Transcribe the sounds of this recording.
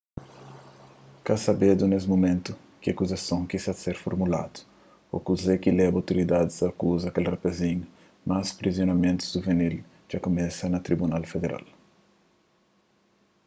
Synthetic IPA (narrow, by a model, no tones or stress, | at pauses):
kasɐbed̪unesmomẽnt̪u | kɪɐkuzɐsɐ̃w̃kisɐseɾfoɾmula̰d̪u̥ | o̰kuzekilɛbawt̪oɾid̪ad̪ɪzɐkuzɐkelrapezĩɲʊ | maspɾizionɐmẽnt̪u̥zduvenil | ʒ̥akomɛsɐnɐt̪ɾibunalfed̪eɾʔa̰l